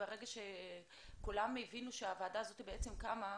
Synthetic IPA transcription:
eʁeɡaʃe | kulamevinuʃeavaːdaːzo̞t̪ibeet͡semkama

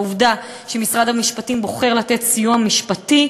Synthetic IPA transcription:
uvda | ʃemisʁad̪amiʃpatimbo̞χe̞ʁlat̪e̞t̪sijuamiʃpati

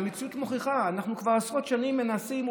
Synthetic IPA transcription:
mit͡sjutmoχiχaːnaχnukvaʁsʁo̞t̪ʃanimːe̞nasim

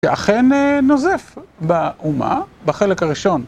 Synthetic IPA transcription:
eʔaχenenozefbaʔuma̰baχe̞lekaʁiʃo̞n

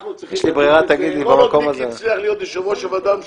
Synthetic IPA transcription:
jɛʃlibʁiʁat̪aɡid̪libamako̞mazeliaχlijot̪ʁiʃomoʃevad̪am

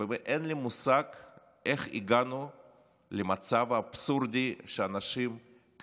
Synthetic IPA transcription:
veʔenlimusaɡ | eχḭɡanu | lemat͡savaːbsuɾd̪ʲiʃeanaʃim | k

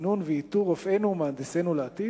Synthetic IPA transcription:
nunvɛit̪uʁofenumaːnd̪esenuleat̪i

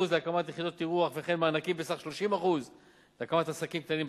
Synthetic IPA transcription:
uzleakamat̪jeχid̪o̞t̪ːiʁuaχveχe̞nmaanakimbesaχʃloʃimaχuz | leakamat̪asakimk̚t̪animb

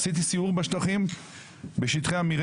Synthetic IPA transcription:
sit̪̬isiuʁbeʃt̪aχim | beʃit̪χeamiʁ

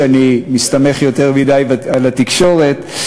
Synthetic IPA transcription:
animist̪ame̞χjo̞t̪e̞ʁmid̪ajvalat̪ikʃo̞ʁe̞t̪

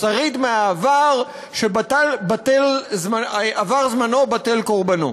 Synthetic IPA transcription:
saʁidmeaːvaʁ | ʃebatalbatelzmaavaʁzmano̞batelko̞ʁbano

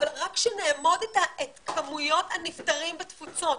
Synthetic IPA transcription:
avalʁakʃeneːmo̞detaʔetkʰamujo̞thanift̪aʁimbetfut͡so̞t

